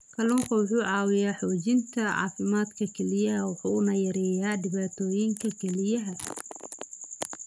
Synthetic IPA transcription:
kʰɐlʊːŋkʰɐwʊħuːʕɑːwɪjaːħɔːt͡ʃɪnt̪ʰɐʕɑ̰ːfɪmaːd̪kʰɐkʰɛlɪjɐɦɐwʊħuːnɐjɐɾɛːjaːdɪβaːt̪ʰɔːjɪŋkʰɐkʰɛlɪjɐɦɐ

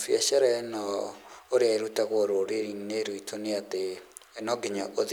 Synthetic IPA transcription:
fjɛɕɛɾɛnɔoɾeaeɾutaɣoɾoɾeɾineɾoitʰoneat̪eːnɔɡeɲaʔoð

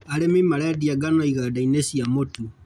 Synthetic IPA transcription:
alemimalaðiaɡanoiɣadainesiamotu

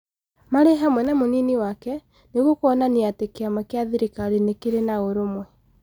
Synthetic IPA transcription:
maɾeɦamwɛnamoniniwakɛ | neɣwokoɔnaniatekeamakeaðiɾekaɾinekeɾenaoɾomwɛ

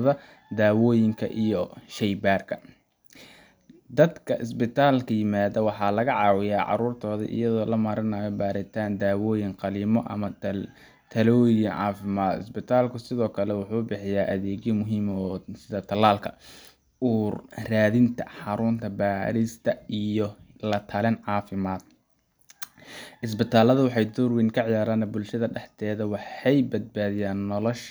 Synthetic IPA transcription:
ðɐ | d̪aːwɔːjɪŋkʰɐ̰ʔijɔʃɛjbaːrkʰɐ̥ | d̪ɐd̪kʰɐʔɪs̬bɪt̪ʰaːlkʰɐjɪmaːðɐwɑħɑːlɐɣɐʕɑːwɪjaːʕɑ̰ɾuːrt̪ʰɔːðḭʔɪ̰jɐðɔːlɐmɐɾɪnaːjɔbaːɾɪt̪ʰaːnd̪aːwɔːjɪŋqɑliːmɔʔɐ̰mɐ | t̪ʰɐlɔːjɪŋʕɑ̰ːfɪmaːd̪ɪ̰sbɪt̪ʰaːlkʰʊsɪðɔːkʰɐlɛwʊħuːbɪħɪjaːʔɐðɛːd͡ʒjɔmʊɦiːmːsɪðɐt̪ʰɐlːaːlkʰɐ | uːrraːðɪnt̪ʰɐ̰ħɑɾʊnt̪ʰɐbaːɾɪst̪ʰɐijɔlɐt̪ʰɐlɪnʕɑːfɪmaːd̪ | ʔɪs̬bɪt̪ʰaːlːɐðʊwɑħɑjd̪urwɪŋkʰɐʕɪjaːɾaːnɐbʊlʃɐðɐɖɛħt̪ʰɛːðɐwɑħɑjbɐd̪̚baːðɪjaːnːɔlɔʃ

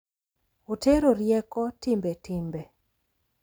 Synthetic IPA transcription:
oteɾoɾjɛkɔtɪmbetɪmbe

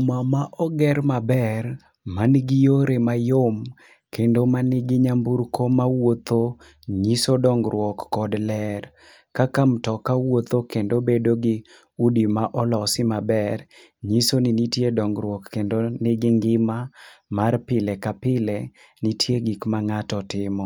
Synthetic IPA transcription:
mamaʔɔɡɛɾmabɛr | manɡɪjoɾemajom | kendomanɪɡɪɲambuɾkomawot̪o | ɲisodɔŋɡɾwɔkːɔdlɛr | kakamtɔkawot̪okendobedoɡɪ | udimaʔɔlɔsɪmabɛr | ɲisonɪnitjedɔŋɡɾwɔkːendonɪɡɪŋɡɪmamarpɪlɛkapɪlɛ | nitʰjeɡikmaŋatɔtɪmɔ

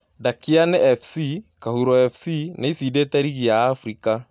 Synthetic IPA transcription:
dakianeʔɛfsikahuɾoɛfsineisideteɾiɣijaːfɾika

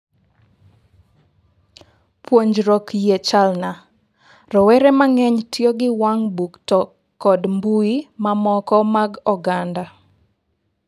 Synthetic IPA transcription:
pwoɲd͡ʒɾɔkjet͡ʃalna | rɔwɛɾɛmaŋɛɲtʰjoɡɪwaŋbuktɔ | kːɔdmbuimamɔkɔmaɡɔɡanda

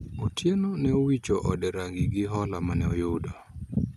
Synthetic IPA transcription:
otʰjenonɛowit͡ʃoʔɔdɛɾaŋɡɪɡɪɦɔlamanɛɔjʊdɔ

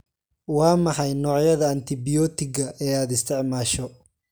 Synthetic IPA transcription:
wɑːmɑħɑjnɔːʕjɐðɐːnt̪ʰɪbɪjɔːt̪ɪɡɐʔɛːaːd̪ɪst̪ʰɛʕmaːʃɔ

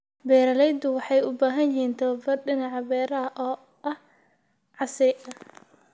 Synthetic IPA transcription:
bɛːɾɐlɛjd̪ʊwɑħɑjʊbaːɦɐnjɪɦiːnt̪ʰɐwɐbɐrɖɪnɑʕɑbɛːɾɐɐʔɔː | ʔɐh | ʕɑsɪʔɐ

